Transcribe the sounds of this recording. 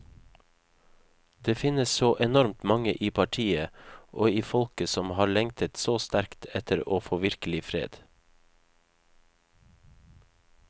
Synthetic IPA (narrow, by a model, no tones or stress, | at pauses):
d̪eːfɪnəsoːʔɛnɔɾmt̪mɑŋə̰ʔiːpʰɑʈʰiːəʔoːiːfɔlkəsɔmhɑːɭɛŋt̪ʰət̪soːst̪æɾkt̪ʰɛt̪ʰəɾoːfoːʋɪɾkəlɪfɾḛːd̪̥